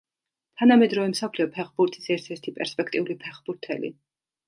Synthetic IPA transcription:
t̪ʰanamɛd̪ɾɔvɛmsapʰliɔpʰɛχbuɾt̪ʰʼisɛɾt̪ʰɛɾt̪ʰipʼɛɾspʼɛkʰt̪ʼiulipʰɛχbuɾt̪ʰɛ̰lḭ

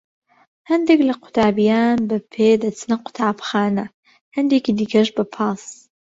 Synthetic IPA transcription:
hɐnd̪eklɐqʰʊ̥t̪ʰaːbijaːnbɐpʰeːd̪ɐt͡sʰɨnɐqʊ̥t̪ʰaːbxaːnɐ | hɐnd̪eːkid̪ikʰɐʃbɐpʰɑːs

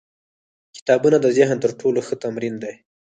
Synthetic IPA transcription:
kɪ̥t̪ɑbunad̪əzɪɦnt̪əɾʈʰoloxət̪amɾind̪aj

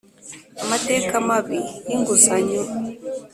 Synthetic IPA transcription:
amate̞ːkamaβijiŋɡusaɲo

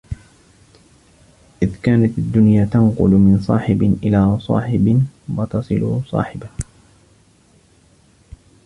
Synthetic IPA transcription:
ʔɪðkaːnat̪ad̪ːʊnjaːt̪ɑnqʊ̰lmɪnsˤɑ̰ːħɪbɪʔɪlaːsˤɑ̰ːħɪbɪwɑt̪ɑsˤɨlṵsˤɑ̰ːħɪbah

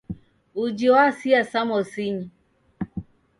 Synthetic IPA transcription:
ud͡ʒiwasiasamɔsiɲi

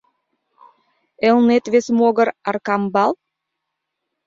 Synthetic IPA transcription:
elˠnet̪vesmoɡəɾaɾkambalˠ

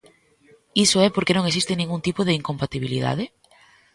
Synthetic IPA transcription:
isoɛpoɾkenõŋesist̪enĩŋɡunt̪ipoðeiŋkompat̪iβ̞ilḭða̰ð̞e

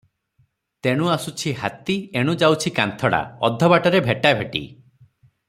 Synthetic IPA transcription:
t̪eɽ̃uasut͡ʃʰiɦa̰t̪ieɽ̃ud͡ʒawt͡ʃʰikant̪ʰɔɽa̰ɔ̰d̪ʱːɔbaʈɔɾebʱeʈabʱeʈḭ

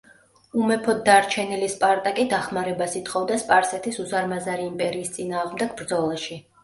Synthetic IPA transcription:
umɛpʰɔd̪ːaɾt͡ʃʰɛnilispʼaɾt̪ʼakʼid̪aχmaɾɛbasit̪ʰχɔvd̪aspʼaɾsɛt̪ʰisuzaɾmazaɾiːmpʼɛɾiːst̪sʼinaːʁmd̪ɛɡ̥̚bɾd̪zɔlˠaʃi

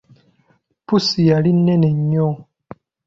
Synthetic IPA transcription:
pusijalinːɛnɛɲɔ

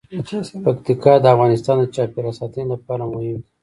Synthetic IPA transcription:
pakt̪ikɑd̪əafɣɑnɪst̪ɑnd̪ət͡ʃɑpeɾasɑt̪ənelapɑɾamʊhɪmd̪i

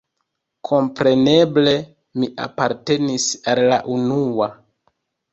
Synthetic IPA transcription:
kʰo̞mpɾe̞ne̞ble̞ | miʔa̰paɾte̞nisalːaʔunua

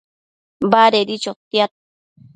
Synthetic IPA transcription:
baɾeɾit͡ʃot̪jat̪̚

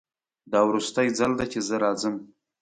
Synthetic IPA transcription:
d̪ɑwɾust̪ajd͡zald̪at͡ʃezəɾɑzəm

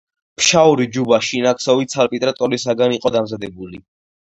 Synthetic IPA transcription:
pʰʃauɾid͡ʒubaʃinaksɔvit̪sʰalpʼit̪ʼɾat̪ʼɔɾisaɡaniqʼɔd̪amzad̪ɛbuli

